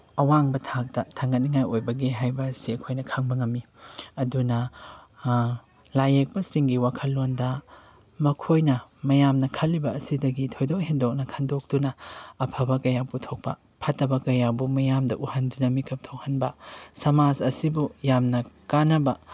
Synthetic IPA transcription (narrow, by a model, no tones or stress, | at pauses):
ɐwaŋbɐtʰak̚tɐtʰɐŋɡɐt̚niŋajojbɐɡiɦajbɐsiɐkʰojnɐkʰaŋbɐŋɐmːi | ɐdunɐ | lajek̚pɐsiŋɡiwakʰɐlːondɐ | mɐkʰojnɐmɐjamnɐkʰɐlːibɐːsidɐɡitʰojdok̚hendok̚nɐkʰɐndok̚dunɐːpʰɐbɐkɐjaputʰok̚pɐ̰ | pʰɐtːɐbɐkɐjabumɐjamdɐʔuhɐndunɐmikʰɐp̚tʰowhɐnbɐsɐmad͡ʒɐsibujamnɐkanɐbɐ